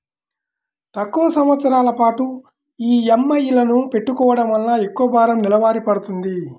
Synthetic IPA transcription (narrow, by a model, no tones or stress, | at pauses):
t̪ɐkːuʋɐsɐmʋɐt̪sɐɾaːlɐpaːʈu | iːemːɐjːilɐnupe̞ʈːukɔːʋɐɽɐmɐlːaːekːuɐbʱaːɾɐmnilɐʋaːɾipɐɽut̪und̪i